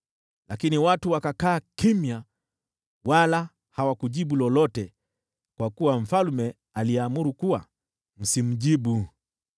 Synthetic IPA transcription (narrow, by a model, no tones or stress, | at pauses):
lakiniwatuwakakaːkimja | wala | hawakuʄiɓulɔlɔtɛ | kwakuwam̩falmɛ | aliɛamuɾukuwa̰ | m̩sim̩ʄiɓu